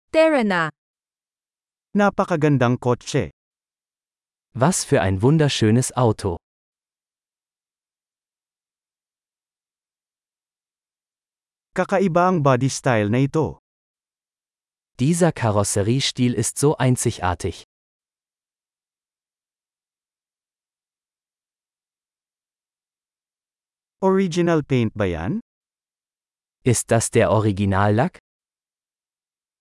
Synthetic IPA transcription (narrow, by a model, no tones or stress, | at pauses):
t̪ɛɹɛna | napɐkɐɡɐnd̪aŋkot͡ʃɛ̰ | vasfyːɐʔa̰ɪnvʊndɐʃøːnəsʔaʊtʰo | kɐkɐɪbaɐŋbad̪ist̪ajlnɐɪt̪o̞ | d̥iːzɐkʰaʁɔsɛʁiːʃtiːlɪstz̥oːʔaɪnsɪçʔa̰ːɐtʰɪç | ʔoɹid͡ʒɪnalpɛjnt̪̚bɐja̰n | ʔɪst̚d̥asd̥eːɐʔɔʁɪɡɪnaːlːak